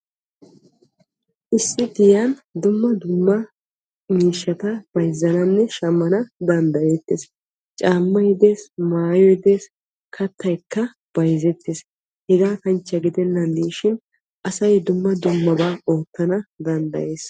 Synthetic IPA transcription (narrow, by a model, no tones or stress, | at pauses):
ʔɪsːɪd̪ɪjɐnd̪ʊmːɐd̪ʊmːɐ | miːʃːɐt̪ɐb̥ɐjzːɐnɐnːɛʃɐmːɐnɐd̪ɐnd̪ɐjeːt̪ːeːs | t͡ʃʼaːmːɐjd̪e̞ːsmaːjɔjd̪e̞ːs | kʰɐt̪ːɐjkːɐ | b̥ɐjzɛt̪ːeːs | hɛɡaːkɐnt͡ʃːɐɡɪd̪ɛnːɐnːiːʃɪn | ʔɐsɐjd̪ʊmːɐd̪ʊmːɐbaːoːt̪ːɐnɐd̪ɐnd̪ɐ̰je̞ːs